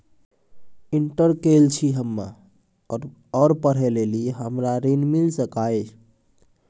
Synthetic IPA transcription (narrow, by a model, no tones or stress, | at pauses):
iɳʈəɾkelt͡ʃʰiɦəmːa̰ | ɔɾpəɽ̤eleliɦəmɾaɾenmilsəkaet͡ʃʰ